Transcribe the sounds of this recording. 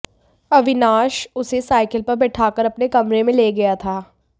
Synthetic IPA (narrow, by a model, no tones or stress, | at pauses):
ɐʋɪnaːʃʊsesaːɪkəlpɐɾbɛʈʰaːkəɾɐpnekɐmɾemẽleːɡɐjat̪ʰaː